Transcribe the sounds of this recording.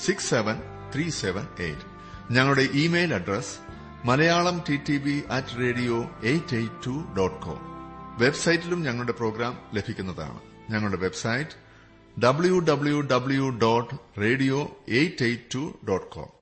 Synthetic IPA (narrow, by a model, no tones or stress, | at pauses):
siksːeʋɐn | t̪ʰriseʋɐnḛjtːɨ̥ | ɲɐŋːɐɭuɽe̞ʔiːmejlɐɖres | mɐlɐjaːɭɐmtitːibiʔɐtːɨre̞ːɽijo̞ːejtːejtːuɖoːʈːko̰ːmʋe̞bsɐjitːilumɲɐŋːɐɭuɽe̞pro̞ːɡɾaːmle̞bʱikʲːunːɐða̰ːɳɨ̰ | ɲɐŋːɐɭuɽe̞ʋe̞bsɐjtːɨ̥ | ɖɐbɭjuɖɐbɭjuɖɐbɭjuɖoːʈːre̞ːɽijo̞ːejtːejtːuɖoːʈːkʰo̰ːm